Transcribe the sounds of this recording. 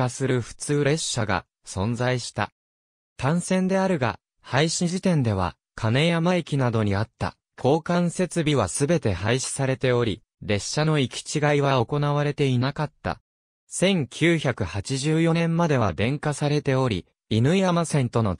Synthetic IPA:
asɨɾɯ̟ɸɯ̟̥t͡sɨːɾe̞ɕːaɡa̰ | sõ̞nd͡zaiɕi̥t̪a̰ | t̪ãɰ̃sẽ̞nd̪e̞aɾɯ̟ɡa̰ | haiɕĩʑit̪ẽ̞nd̪e̞β̞a̰ | kʰane̞jamaekʲinad̪o̞ɲ̟iat̪ːa̰ | kʰo̞ːkãɰ̃se̞t͡sɨbʲiβ̞asɨbe̞t̪e̞haiɕi̥saɾe̞t̪e̞o̞ɾʲi | ɾe̞ɕːano̞ikʲi̥t͡ɕiɡaiβaoko̞naβaɾe̞t̪e̞inakat̪ːa̰ | sẽ̞ŋkʲʰɨːçakɯ̟hat͡ɕiʑɨːjo̞nẽ̞mmad̪e̞βa̰d̪ẽ̞ŋkasaɾe̞t̪e̞o̞ɾʲḭ | inɯ̟ijamasẽ̞nt̪o̞no̞

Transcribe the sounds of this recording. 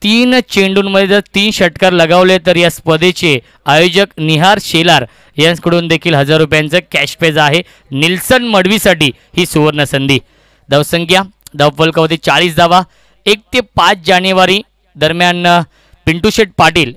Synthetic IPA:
t̪iːnt͡ɕeɳɖuːnməd̪ʱjet̪ət̪iːnɕəʈkaɾləɡaʋlet̪əɾjaspəd̪et͡ɕe | ajod͡ʑəkniɦaɾɕelaɾ | jãskəɽuːnd̪ekʰiːlɦəd͡zaɾːup̬jant͡səːkæɕped͡zaɦe | nilsənməɽʋiːsaʈiː | hiːsuʋəɾnəsənd̪ʱiː | d̪əʋsəŋɡjad̪əʋfəlkəʋəd̪it͡saɭiːsd̪aʋa | ek̚t̪epat͡sd͡ʑanjuʋaɾiː | d̪əɾmjan | piɳʈuɕeʈ̚paʈiːl

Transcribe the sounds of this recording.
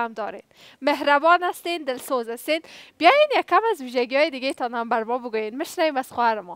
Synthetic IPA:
amd̪ɔɾḛn | meɦɾabɔnast̪end̪ɪlsozast̪enbjɑjenjakːamazwiʒaɡijɑjed̪ɪɡet̪ɑnhambaɾmɔbəɡojenmɪʃnawemaz̥xʊhaɾɪmɔ

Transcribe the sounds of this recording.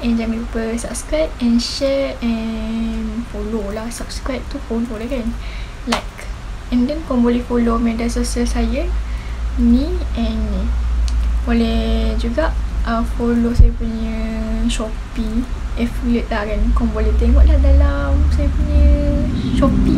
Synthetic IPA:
ʔɛ̃nd͡ʒaŋlupəsap̚skɾap̚ɛ̃nʃɛɹɛ̃ | nfololahsap̚skɾap̚t̪ufololakan | lajk | ɛ̃ndɛnkɔ̃mbolɛhfolomɛdansosəsajə | nĩɛn | bolɛd͡ʒuɡaʔʔəfolosajəpuɲəʃopi | ɛflut̪̚lahkankɔmbolɛht̪eŋɔʔlahdalamsajəpuɲəʃɔpi

